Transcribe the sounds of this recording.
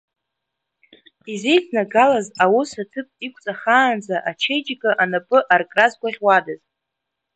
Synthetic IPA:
ize̞jt͡sʰnaɡalazawʊsatʰɨpʼikʷʰʼt͡sʼaχaːnd͡zaʔat͡ʃʰejd͡ʒɪkʼaʔanapʼɨʔarkʼrazɡʷaʁʲwadaz

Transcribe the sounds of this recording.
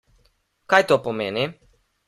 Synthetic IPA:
kajt̪opomeːni

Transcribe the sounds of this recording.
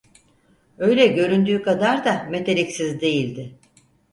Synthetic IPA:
ø̞jlʲɛɟø̞ɾynd̪yːkad̪aɾd̪ame̞t̪ʰe̞ɾicsizd̪e̞jilʲd̪ɪ

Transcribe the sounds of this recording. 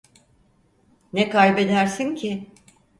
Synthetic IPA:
nɛkʰalbe̞d̪æɾsincʰɪ

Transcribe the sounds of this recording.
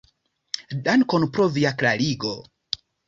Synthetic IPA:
dankɔnupɾɔvijakɾaliɡo

